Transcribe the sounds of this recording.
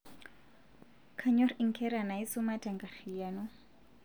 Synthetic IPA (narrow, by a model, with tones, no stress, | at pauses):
kʰaɲɔ˦riŋ̩˨kʰɛɾa˨na˨i˦suma˦tɛ˨ŋɡa˨rijanɔ˦